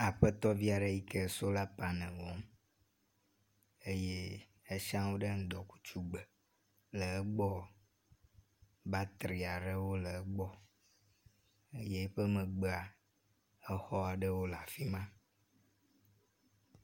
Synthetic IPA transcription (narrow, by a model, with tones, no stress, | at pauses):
a˨ɸə˦t̪ɔ˦vi˦a˨ɖe˨ji˦ke˦˨so˦la˦pa˨nɛ̃˨wɔ˦m | e˦je˦ | e˦ʃã˦wo˦ɖe˦ŋ̩˦d̪ɔ˨ku̥˦t͡ʃu˦ɡ͡bə˨ | lə˨ɛ˦ɡ͡bɔ˦ | ba˦t̪ɾi˨a˨ɖe˦wo˦lə˨˦ɡ͡bɔ˦ | e˦je˦ɸe˦mɛ̃˨ɡ͡be˦a˨ | ə˦xɔ˦a˨ɖe˦wo˦la˨fi˦mã˦